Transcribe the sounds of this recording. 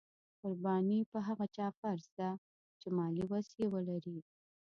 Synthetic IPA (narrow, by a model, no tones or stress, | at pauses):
qʊɾbɑnipəɦaɣat͡ʃɑfaɾzd̪a | t͡ʃemɑliwasjewəlaɾi